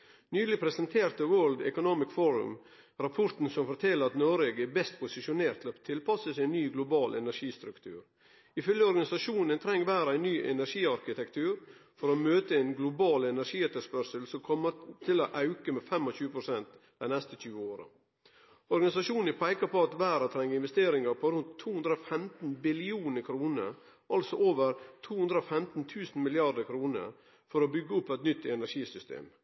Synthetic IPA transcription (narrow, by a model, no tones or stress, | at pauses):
nyːlɪpʰɾɛsənt̪ʰeːɾt̪əwøːld̪ɛ̰kʊnoːmɪskfoːɾʉ̰m | ɾɑpʰɔɾt̪n̩sɔmfɔɾt̪ʰɛlːəɾɑt̪noːɾeːɡɛbɛst̪pʰʊsɪʂʊneːɾt̪ʰːɪlot̪ʰɪlpɑsəsæɪnːyːɡlʊbɑːlʔɛnæɾʂiːst̪ɾʉkt̪ʰʉ̰ːɾ | ɪfœljəɔɾɡɑnɪsɑʂuːnənt̪ʰɾɛŋːʋæːɾəæɪnːyːʔɛ̰næɾʂiːɑɾkɪt̪ɛkt̪ʰʉːɾfɔɾomøːt̪əɛɪnɡlʊbɑːlɛnæɾʂiːɛt̪ːəspœɾʂəlsɔkʰɔmət̪ʰɪloʔɑʉkəmeːfɛmɔçʉːəpʰɾʊsɛnt̪d̪̥æɪnɛst̪əc͡çʉːəoːɾə̰ | ɔɾɡɑnɪsɑʃuːnɪpʰæɪkɑpɔɑt̪ʋæːɾɑt̪ʰɾɛŋːəɪnʋɛst̪eːɾɪŋəɾpʰɔɾʉnt̪ʰːuːhʉnd̪ɾəofɛmt̪n̩bɪlɪuːnəkʰɾuːnə̰ɾ | ʔɑlsɔʔoːʋəɾt̪ʰuːʉnd̪ɾəofɛmt̪nt̪ʰʉːsn̩mɪlɪɑd̪əɾkʰɾuːnə̰ɾ | fɔɾɔbʏɡːəʊpːɛt̪nʏt̪ːɛnæʂiːsʏst̪ʰḛːm